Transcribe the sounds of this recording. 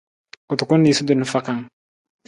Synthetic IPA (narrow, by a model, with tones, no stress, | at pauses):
u˨tu˨ku˦ndi˨su˦du˨nu˨fa˦ka˨ŋ